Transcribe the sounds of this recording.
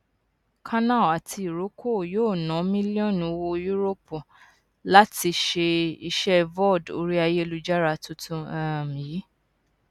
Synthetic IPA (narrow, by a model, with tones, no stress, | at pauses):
kʰã˦nã˦˨a˨tʰi˧i˨ɾo˨˦kʰo˦˨joː˦˨nã˨˦mĩ˦li˦ɔ̃˦˨nũ˧˦wo˧ju˦ɾo˦po˨ | la˦ti˧ʃe˧i˧ʃɛ˦vɔ˦˨do̰˧ɾi˦a˧je˦˧lu˦˧d͡ʒa˦ɾa˧˦tu˧˦tũ˧ã˨mĩ˨ji˨˦